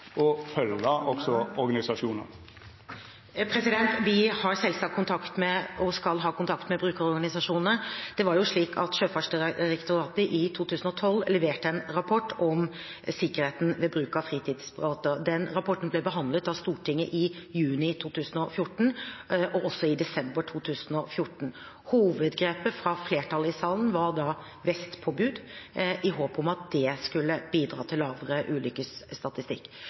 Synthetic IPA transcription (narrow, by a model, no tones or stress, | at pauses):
ɔfœlːəʔɔksɔɔɾɡɑnɪsɑʂuːnə̰ɾ | pʰɾɛsɪd̪ɛnt̪ʋɪhɑɾsɛlsɑkʰːʊnt̪ʰɑkt̪mɛɔskɑlɦɑːkʊnt̪ʰɑkt̪mɛbɾʉːkəɾɔɾɡɑnɪsɑʂuːnnəd̪̥ɛʋɑɾjʊʂɭiːkʰɑ̰t̪ʃøːfɑʂɖəɾɛkt̪ʊɾɑːt̪əʔɪt̪ʰuːt̪ʉːsən̩ɔt̪ʰɔlːlɛʋeːʈəɛnɾɑpʰɔʈːɔm | sɪkːəɾheːt̪n̩ʋɛbɾʉːkɑfɾiːt̪ʰiːd̪sbɾɑːt̪əd̪ɛnɾɑpʰɔʈn̩blɛbəɦɑnd̪lət̪ɑʋst̪uːʈʰɪŋːəʔɪjʉːnɪt̪ʰuːt̪ʉːsn̩ɔfjʊʈɳ̩ʔɔʔɔsːɔɪd̪ɛsɛmbəɾʈʰuːt̪ʰʉːsən̩ɔfjʊʈɳ̩ | huːʋəd̪ɡɾeːpəfɾɑfleːʈʰɑlɪsɑːlənʋɑɾɖ̪ɑ | ʋɛst̪pʰoːbʉːd̪ʔɪɦoːpɔmɑt̪̚d̪̥ɛskʉlːəb̥iːd̪ɾɑːt̪ʰɪlːɑːʋəɾəʔʉːlʏkəsːt̪ɑt̪ɪst̪ɪkː